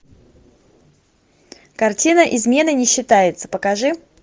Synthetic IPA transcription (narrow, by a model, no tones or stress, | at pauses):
kɐrtʲinəʔɪzmʲe̞nɨnʲɪɕːɪt̪ajɪt̪sə̥pəkɐʐɨ